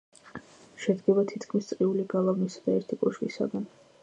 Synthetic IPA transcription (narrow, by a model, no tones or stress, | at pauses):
ʃɛd̪ɡɛbat̪ʰit̪ʰkʰmist̪sʼqʼiuliɡalˠavnisad̪aɛɾt̪ʰikʼɔʃvḭsa̰ɡan